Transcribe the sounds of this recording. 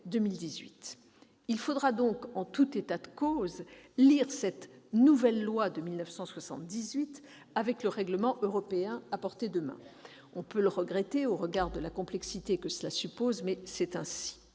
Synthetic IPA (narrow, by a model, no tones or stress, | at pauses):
d̪əmild̪izɥit̪ | ilfod̪ʁad̪ɔ̃kɑ̃t̪ut̪et̪ad̪əkozliʁsɛt̪nuvɛlːwad̪əmilnəfsɑ̃swasɑ̰̃t̪̚d̪izɥit̪ | avɛkləʁɛɡləmɑ̃ʔøʁɔpeɛ̃apɔʁt̪ed̪əmɛ̰̃ | ɔ̃pøləʁəɡʁɛt̪eoʁəɡaʁd̪əlakɔ̃plɛksit̪ekəsəlasypozmɛsɛt̪ɛ̃si̥